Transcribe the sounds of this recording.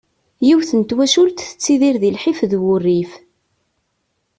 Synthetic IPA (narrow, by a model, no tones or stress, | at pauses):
jiwθənt̪wæʃult̪θə̥t͡sːiðiɾðilħifðwʊrːif